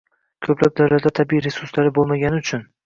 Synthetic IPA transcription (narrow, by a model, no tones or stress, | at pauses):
kʲʰɵplap̚d̪awlat̪d̪at̪ʰabiiɾe̞sʊɾslaɾɪbolˠmaɡʲanɪʊt͡ʃʰʊn